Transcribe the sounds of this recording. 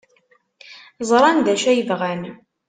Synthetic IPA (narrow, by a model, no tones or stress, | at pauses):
zˤɾˤɑnd̪æʃæjəvʁæn